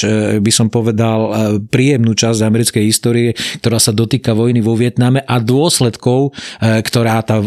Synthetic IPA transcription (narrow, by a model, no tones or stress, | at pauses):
bisɔmpɔʋɛd̪alpɾiːjɛmnuːt͡ʃazɟamɛɾit͡skɛjɦist̪ɔːɾiɛk̚t̪ɔɾaːsad̪ɔt̪iːkaʋɔjniʋɔʋɪɛt̪namɛʔad̪ʊɔslɛt̪kɔʊkt̪ɔɾaːt̪aː